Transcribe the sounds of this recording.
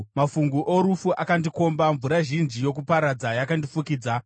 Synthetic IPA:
mafuŋɡuʔoɾufuʔakandiko̞mbaɱvuɾaʒind͡ʒijo̞k̬upaɾad͡zajakandifukiːd͡za

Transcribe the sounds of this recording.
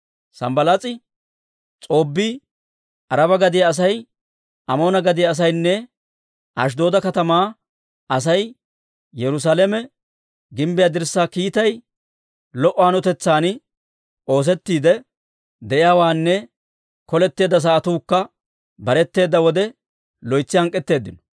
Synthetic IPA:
sɐ̰mbɐlat͡sʼɪ | t͡sʼo̞ːbːiː | ʔɐɾɐbɐɡɐd̪ɪjaːs̬ɐj | ɐmo̞ːnɐɡɐd̪ɪjaːs̬ɐjnːɛ | ʔɐ̰ʃ̬d̪o̞ːd̪ɐkɐt̪ɐmaː | ɐsɐj | jɛɾʊs̬aːlɛmɛ | ɡɪmbɪjaːd̪ɪɾsːaːkiːt̪ɐj | lɔʔːɔanɔt̪ɛt͡sːaːn | ʔo̞ːs̬ɛt̪ːiːd̪ɛ | d̪ɛʔɪjaːwaːnːɛ | kɔlɛt̪ːe̞ːd̪ːɐs̬aʔɐt̪uːkːɐ | bɐɾɛt̪ːe̞ːd̪ːɐwɔd̪ɛ | lɔjt͡sːɪhɐŋkʼːɛt̪ːe̞ːd̪ːɪnɔ̥

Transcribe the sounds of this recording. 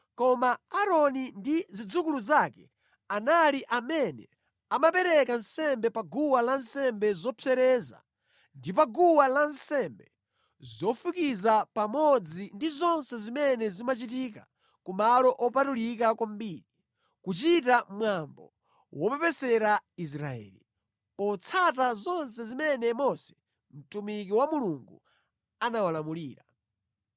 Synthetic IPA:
kɔmaaɾɔnindizid͡zukuluzakɛ | analiʔamɛnɛ | amapɛɾɛkansɛmbɛpaɡuwalansɛmbɛzɔpʰɛɾɛza̰ | ndip̬aɡuwalansɛmbɛ | zɔfukizapamɔd͡zindizɔnsɛzimɛnɛzimat͡ʃit̬ika̰ | kumalɔʔɔpatulik̬akwambiːɾi | kut͡ʃitamwambɔ̰ | wɔpɛpɛsɛɾais̬ɾaɛ̰ːli | ɔt͡sʰatazɔnsɛzimɛnɛmɔsɛ̥ | m̩tumik̬iwamuluŋɡu | anawalamuliːɾa

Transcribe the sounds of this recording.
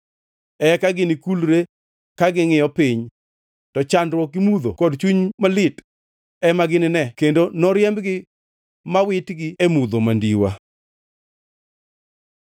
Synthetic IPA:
ɛkaɡɪnɪkulɾe | kaɡɪŋɪjɔpɪɲ | tɔt͡ʃandɾwɔkɪmud̪o̰kɔdt͡ʃwuɲmalɪt | ɛmaɡɪnɪnɛkendonɔɾjɛmbɡɪ | mawɪtɡɪemud̪omandiwa̰

